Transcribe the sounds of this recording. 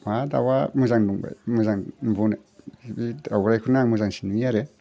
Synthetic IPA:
mada̰wamuzaŋduŋba̰jmuzaŋbunabiawɾajkʰunaŋmuzaŋsi̥nujaɾe

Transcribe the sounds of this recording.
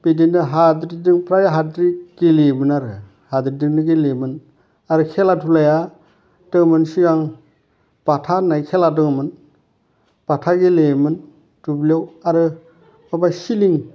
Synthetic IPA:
bedendɯɦadɾidɯŋpʰɾajɦadɾiɡ̥elebɯnaɾɯ | hadɾidɯŋnɯɡelemɯn | aɾɯkʰelatʰulaja | dɯŋmɯnsiɡaŋ | b̥atʰanajkʰeladɯŋmɯn | b̥atʰaɡelemɯn | tublijawaɾɯ | mabasiliŋ

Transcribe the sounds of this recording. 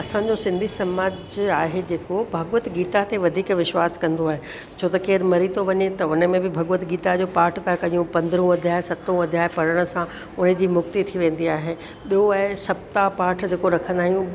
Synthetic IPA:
ɐsãɲd͡ʑosɪ̃nd̪ʱisɐmaːd͡ʑaːɦed͡ʑeːkobʱɐɡʋət̪ɡiːt̪at̪eʋɐd̪ʱiːkʋɪʃwaːskɐ̃nd̪oaːɦe | t͡ɕʰoːt̪ɐkeːɾmɐɾit̪ʰoʋɐɲet̪ɐʊnə̆mẽbɪbʱɐɡʋət̪ɡiːt̪ad͡ʑoːpaːʈʰt̪ʰakɐijũpɐ̃nd̪əɾũɐd̪ʱjaːɦesɐt̪ũɐd̪ʱjaːɦpɐɽəɽ̃sã | ʊnə̆d͡ʑiːmʊk̚t̪it̪ʰiʋẽːn̆d̪iaːɦe | ɓijoaːɦesɐb̚t̪apaːʈʰd͡ʑeːkoɾɐkʰə̃nd̪aːɦijũ

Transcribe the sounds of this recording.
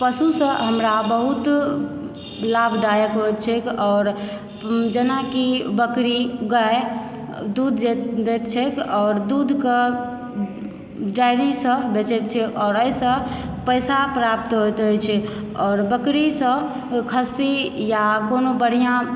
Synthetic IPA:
pəsusə̃ɦəmɾabəɦut̪ | labʱd̪ajəkɦojt̪̚t͡ʃʰɛkɔːɾ | d͡ʒənakibəkɾiɡae | d̪ud̪ʱd̪et̪t͡ʃʰɛkʰɔːɾd̪ud̪ʱke | d͡ʒajɾisə̃bet͡ʃɛt̪̚t͡ʃʰɛʔɔːɾəisə̃ | pəjsapɾap̚t̪ɦot̪ət͡ʃʰɛ | ɔːɾbəkɾisə̃ | kʰəsijakonobəɽ̤ijã

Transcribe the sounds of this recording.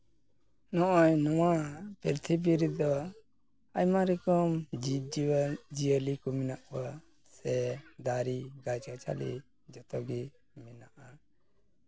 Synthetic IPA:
nɔʔɔɲnɔwapɾiɾt̪ʰibiɾid̪ɔ | ajmaɾikɔmd͡ʒiid͡ʒiəlikɔmɛnaʔka | sɛd̪aɾiɡajt͡ʃkat͡ʃʰa̰lḭ | d͡ʒɔt̪ɔɡi | mɛnaʔa

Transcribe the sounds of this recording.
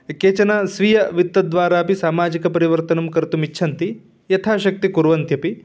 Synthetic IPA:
keːt͡ʃɐnasʋijɐʋit̪ːɐd̪ʋaːɾaːpisaːmaːd͡ʒikɐpɐɾiʋɐɾt̪ɐnɐmkɐɾt̪umitːʃʰɐnt̪i | jɐt̪ʰaːʃɐk̚t̪ikuɾʋɐnt̪jɐpi

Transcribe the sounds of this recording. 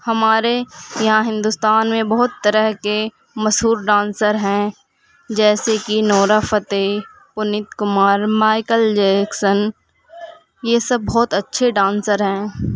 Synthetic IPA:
hɐmaːɾejɐɦãɦɪ̃nd̪ʊst̪aːnmẽbɐɦʊt̪ːəɾəɦke | mɐsɦuːɾɖãːnsəɾɦɛ̃ | d͡ʒɛːsekinɔːɾafət̪e | pʊnɪt̪kʊmaːɾmaːɪkəld͡ʒeːksən | jesɐb̚ːɔːt̪ɐtːʃʰeɖãːnsəɾɦɛ̃ː

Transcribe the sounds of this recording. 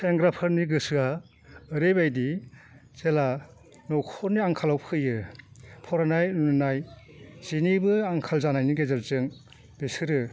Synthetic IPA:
seŋɡɾapʰɯɾniɡɯsɯa | ɯɾebajdizela | nɔwkʰɔɾniaŋkʰalawpʰɯjɯpʰɔɾanajnunɯnaj | z̥inibɯaŋkʰalzanajniɡezaɾzɯŋ | b̥esɯɾɯ

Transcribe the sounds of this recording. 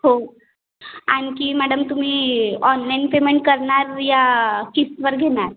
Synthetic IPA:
ɦo | añkiːmæɽəmt̪um̤iːɔnlajnpemeɳʈ̚kəɾɳaɾjakistʋəɾɡʱeɳ̃aɾ

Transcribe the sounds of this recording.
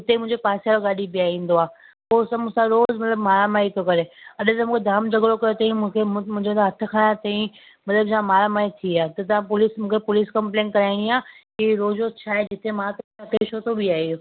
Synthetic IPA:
ɪt̪emʊ̃ɪ̃ɲd͡ʑepaːsijaloɡaːɗibiaːĩːnd̪oaː | poːsɐmʊ̃sãɾoːzmɐt̪ləbmaːɾamaːit̪ʰokɐɾeɐɗʊt̪ɐmũːkʰed̪ʱaːmd͡ʑʱɐɡɽokɐjot̪ɐĩmũkʰemũɦɪ̃ɲd͡ʑot̪aɦɐt̪ʰʊkʰaːɽ̃at̪ɐːĩ | mɐt̪ləbd͡ʑãmaːɾamaːit̪ʰiaːt̪ɐt̪ɐʋ̤ãpʊliːsmũːkʰepʊliːskɐ̃mplẽːnkɐɾaːɪɽiaːkiɾoːzot͡ɕʰaːɦed͡ʑɪt̪emãt̪ɐ̃ɐpeʃoːt̪ʰobiaːɦio

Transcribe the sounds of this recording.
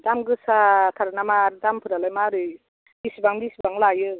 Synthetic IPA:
damɡɯsatʰaɾanamaɾdampʰɯɾalajmaɾɯj | bisibaŋdisibaŋlajɯ

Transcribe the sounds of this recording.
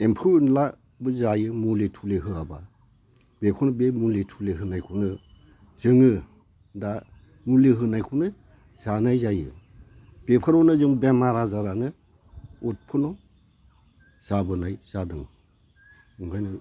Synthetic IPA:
empʰɯːnla | bɯzajɯmuletʰuleɦɯaba | bekʰunɯbemuletʰuleɦɯnajkʰunɯ | zɯŋɯ | da | muleɦɯnajkʰunɯ | z̥anajzajɯ̰ | b̥epʰɯɾɔnɯzɯŋbemaɾazaɾanɯ | ut̚pʰɯnɔ | z̥abɯnajz̥adɯŋ | ɯŋɡʰajnɯ

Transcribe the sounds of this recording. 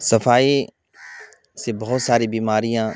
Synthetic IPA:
sɐfaːi | sebɐɦʊt̪saːɾibiːmaːɾijã

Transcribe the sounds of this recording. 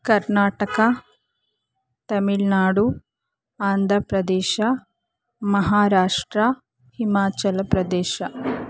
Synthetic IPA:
kɐɾnaːʈɐkɐ | t̪ɐmiɭnaːɽu | aːnd̪ʱɾɐpɾɐd̪ɛːʃɐ | mɐɦaːɾaːʂʈɾɐ | himaːt͡ʃɐlɐpɾɐd̪ɛːʃɐ

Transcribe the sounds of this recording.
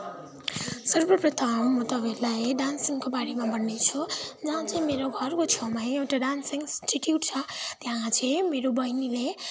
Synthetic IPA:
sʌrbʌprʌt̪ʰʌmːʌt̪ʌbelajɖansiŋkobaɽemabʌnːet͡sʰud͡zʌɦãt͡sʰĩmeɾoɡʱʌrkot͡sʰawmajewʈaɖansiŋsʈiʈjuʈt͡sʰʌt̪jɦãt͡sʰẽmeɾobʌjnile

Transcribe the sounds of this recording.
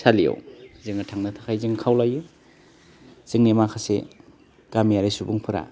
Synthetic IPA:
salija̰wzɯŋɯtʰaŋnatʰakʰajzɯŋkʰawlaju | z̥ɯŋnemakʰasḛ | ɡ̥amijaɾijsubuŋpʰɯɾa̰

